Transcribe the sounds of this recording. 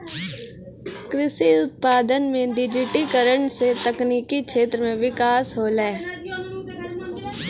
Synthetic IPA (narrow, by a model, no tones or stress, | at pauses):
kɾɪsiʊt̪̚paːd̪ənmẽɖɪd͡ʒɪʈikəɾəɳset̪əkniːkikʃʰeːt̪ɾəmẽʋɪkaːsɦoːlɛe